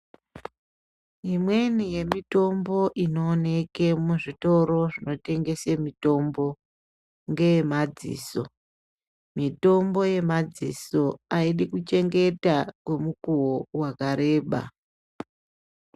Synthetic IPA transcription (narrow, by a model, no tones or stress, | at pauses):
imwe̞nije̞mito̞mbo̞ʔino̞ːne̞kemuʐito̞ɾo̞ʐino̞te̞ŋɡe̞semito̞mbo̞ | ŋɡe̞jemad͡zḭːso̞̰ | mito̞mbo̞je̞mad͡ziso̞aiɗikut͡ʃe̞ŋɡe̞takwe̞mukuwowakaɾe̞ːɓa̰